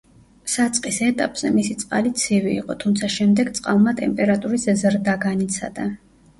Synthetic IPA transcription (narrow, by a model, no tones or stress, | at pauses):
sat̪sʼqʼisɛt̪ʼapʼz̥ɛmisit̪sʼqʼalit̪sʰivḭːqʼɔt̪ʰumt̪sʰaʃɛmd̪ɛɡt̪sʼqʼalˠmat̪ʼɛmpʼɛɾat̪ʼuɾiszɾd̪aɡanit̪sʰa̰d̪a